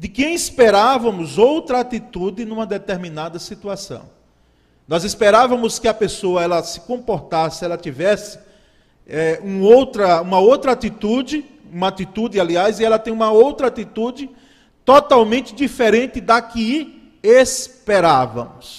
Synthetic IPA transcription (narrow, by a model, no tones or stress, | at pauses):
d̪ɪkẽj̃ispeɾavɐ̃mʊzowt̪ɾɐat̪it̪ud̪ɪnũmɐd̪et̪eɾmĩnad̪ɐsit̪uasɐ̰̃w̃ | nɔzispeɾavɐ̃mʊskɪɐpesoɐɛlɐsɪ̥kõpoɾt̪asɪɛlɐt̪ivɛsɪ̥ | ɛũowt̪ɾɐũmɐowt̪ɾɐat̪it̪ud͡ʒɪ | ũmɐat̪it̪ud̪ɪaliaziɛlɐt̪ẽj̃ũmɐowt̪ɾɐat̪it̪ud͡ʒɪ | t̪ot̪awmẽnt̪ɪd̪ifeɾẽnt̪ɪd̪akɪ | espeɾavɐ̰̃mʊs